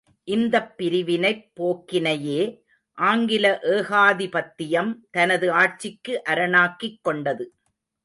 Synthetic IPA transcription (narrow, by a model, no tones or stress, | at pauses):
ʔɪnd̪ɐpːɪɾɪʋɪnɐɪpːoːkːɪnɐjeː | ʔaːŋɡɪlɐʔeːɣaːðɪpɐt̪ːɪjɐmt̪ɐnɐðɯaːʈ̚t͡ʃɪkːɯʔɐɾɐnaːkːɪkːɔɳɖɐðɯ